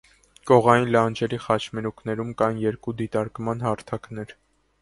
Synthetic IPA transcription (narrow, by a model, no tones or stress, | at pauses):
kɔʁɑjinlɑnd͡ʒʰɛɾiχɑt͡ʃʰmɛɾuknɛɾumkɑnjɛɾkud̪it̪ɑɾkmɑnhɑɾt̪ʰɑknɛɾ